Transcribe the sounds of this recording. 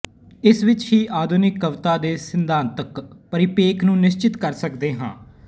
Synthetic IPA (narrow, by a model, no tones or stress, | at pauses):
ɪsʋɪt͡ʃhiːʔaːd̪ʱʊnɪkːəʋt̪aːd̪eːsɪnd̪ʱãːnt̪əkpəɾɪpeːkʰnũːnɪst͡ʃɪt̪kəɾsəkd̪eːɦã̰ː